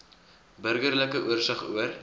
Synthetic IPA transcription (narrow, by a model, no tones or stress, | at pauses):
bəɾɡəɾləkəʔuərsɑχṵər